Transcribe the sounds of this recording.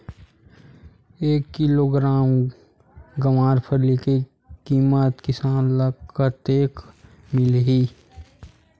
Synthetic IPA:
eːkːɪloːɡɾaːm | ɡəmaːɾpʰəɾlike | kiːmət̪kɪsaːnləɡkːəɾt̪eːk | mɪlɦi

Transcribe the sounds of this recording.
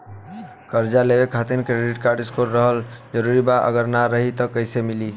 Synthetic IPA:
kəɾd͡ʒalebekʰat̪iɾkɾeɖiʈkaɾɖiskoɾːəɦəld͡ʒəɾuɾibaʔə̰ɡəɾnaɾəɦit̪ɔkəɪsemili

